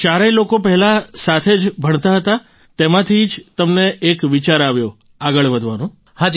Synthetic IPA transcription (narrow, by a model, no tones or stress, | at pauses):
t͡ʃaɾelokopəɦɛlasat̪ʰed͡ʒbʱəɳ̃t̪aɦət̪a | t̪emãt̪ʰid͡ʒt̪əmneʔːkʋit͡ʃaɾaʋjo | aɡəɭʋəd̪ʱʋanũ | hãd͡ʒi